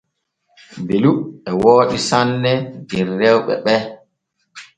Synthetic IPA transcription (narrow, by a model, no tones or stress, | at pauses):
beluɛwoːɗisanːɛdɛrːɛwɓɛ̰ɓɛ